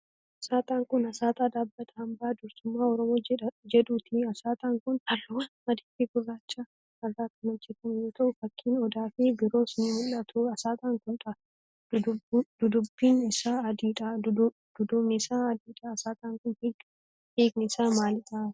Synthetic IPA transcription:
ɐsaːt̪ʼaːŋkʊnɐsaːt̪ʼaːd̪aːbːɐt̪ʰɐhɐmbaːd̪ʊɾsʊmːaːɔɾɔmoːd͡ʒɛᶑuːt̪ɪɐsaːt̪ʼaːŋkʊnhɐrːoːwanmɐd̪iːfiɡʊrːaːt͡ʃʼːaː | kɐrːaːkʊnɔd͡ʒːɛt̪ɐmjoːt̪ʰɐʔʊfɐkʰːiːnɔd̪aːfɪbɪɾo̞ːsnihʊlːɐt̪ʰuɐsaːt̪ʼaːŋkʊnᶑɐ | dd̪̥ʊd̪ʊbːiːnɪsaːɐd̪iːᶑa | d̪̥ʊd̪ʊmɪsaːɐd̪iːᶑaːsaːt̪ʼaːŋkʊnt̪iːk | iːɡnɪsaːmaːlɪᶑa

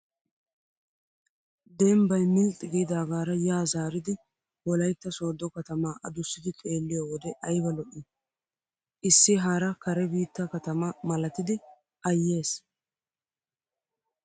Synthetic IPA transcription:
d̪ɛmbɐjmɪlt̪ʼːɪɡijd̪aːɡaːɾɐjaːzaːɾɪd̪ɪ | wɔlɐjt̪ːɐso̞ːd̪ɔkɐt̪ɐmaːʔɐd̪ʊsːɪd̪ɪtʼe̞ːlːɪjowɔd̪ɛʔɐjbɐlɔʔɪ | ʔɪsːɪɦaːɾɐkɐɾɛbiːt̪ːɐkɐt̪ɐmɐmɐlɐt̪ɪd̪ɪ | ʔɐjːe̞ːs

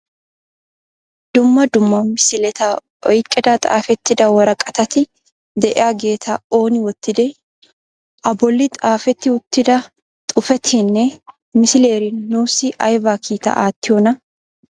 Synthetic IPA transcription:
d̪̥ʊmːɐd̪ʊmːɐmɪsɪlɛt̪a | ɔjkʼːɛd̪ɐt̪ʼa̰ːfɛt̪ːɪd̪ɐwɔɾɐkʼɐt̪ɐt̪ɪ | d̪ɛʔɪ̰jaɡe̞ːt̪ʰɐoːnɪwɔt̪ːɪd̪ɛ | ʔɐbɔlːɪt̪ʼaːfɛt̪ːɪʊt̪ːɪd̪ɐ | t̪ʼʊfɛt̪ʰɛnːɛ | mɪsɪle̞ːɾɪnuːsɪʔɐjbaːkʰiːt̪ɐ̰ʔaːt̪ːɪjɔnɐ

